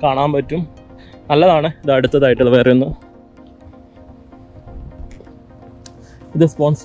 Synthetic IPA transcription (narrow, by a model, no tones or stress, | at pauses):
kaːɳaːmpɐtːumnɐlːɐðaːɳɨiðɐɽut̪ːɐðaːjiʈːɨlːɐʋeːrɐjunːu | iðɨspoːns